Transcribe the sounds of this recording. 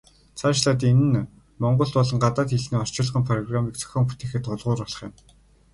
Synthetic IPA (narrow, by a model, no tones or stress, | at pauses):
t͡sʰaːʃɮaːt̪ːenɘ̆n | mɔɴɢɞ̆ɬt̪pɔɮɞ̆ŋɢat̪aːt̪xeɮniːɔr̥t͡ɕɪ̆ɮə̆χə̆mpʰrɔɣramiːk̚t͡sœ̥xʲɔːmpu̥t̪eːxɘ̆t̪ʊɮʁʊːɾɔɮɞ̆χjɪ̆m